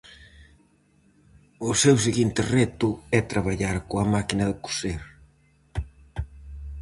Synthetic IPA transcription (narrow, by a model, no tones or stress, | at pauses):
ʊsews̬eɣint̪ɪrɛt̪ʊɛt̪ɾaβaʎaɾkoɐmakinɐðɪku̥seɾ